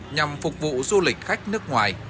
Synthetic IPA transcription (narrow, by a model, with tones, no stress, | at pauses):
ɲa˨˩mfʊ˨˩k͡p̚vṵ˧˨zu˧lï˨˩k̟̚xa˦˥jk̟̚nɨ˦˥ək̚ŋwaː˨˩j